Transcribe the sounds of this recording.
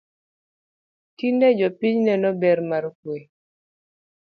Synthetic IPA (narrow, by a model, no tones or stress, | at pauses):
kindɛd͡ʒɔpiɲnɛnɔbɛɾmaɾkwe